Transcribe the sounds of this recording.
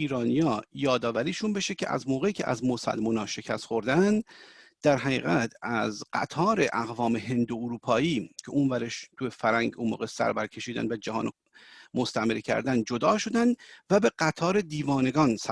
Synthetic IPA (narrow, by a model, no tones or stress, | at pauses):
iːɾɒːnijɒːjɒːd̪ɒːvæɾiːʃunbe̞ʃecʲʰḛʔæ̰zmoːɣe̞iːcʲʰḛʔæ̰zmo̞sæ̰lmunɒːʃe̞cʰæst̪xo̞ɾd̪ænd̪d̪̥æɾɦæɣḭːɣæt̪ʰæzɢ̥æ̰t̪ʰɒːɾe̞ʔæɣvɒːme̞ɦe̞nd̪ooɾuːpʰɒːiːcʰeʔunvæɾeʃt̪ʰujefæɾæŋɟunmo̰ːɣesæ̰ɾbæɾcʰe̞ʃiːd̪æ̰nd̪væd͡ʒæɦɒ̰ːno | most̪æmeɾcʰæ̰ɾd̪æn̚d͡ʒo̞d̪ɒːʃo̞d̪ænd̪væbe̞ɢæt̪ʰɒːɾe̞d̪iːvɒːne̞ɡɒːnsæ